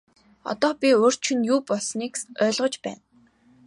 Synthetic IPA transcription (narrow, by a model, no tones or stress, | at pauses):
ɔ̰t̪ɔːpʲior̥t͡ɕʰɵ̆njuːpɔɮsniːkœːɮʁɞ̆t͡ɕpæ̰ːn